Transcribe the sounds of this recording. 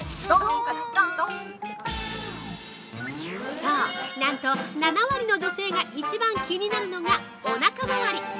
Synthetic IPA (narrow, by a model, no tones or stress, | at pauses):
saːnãnt̪o̞nanaβaɾʲino̞d͡ʑo̞se̞ːɡaʔit͡ɕibãŋkʲɯɲ̟inaɾɯ̟no̞ɡa | onakabaβaɾʲi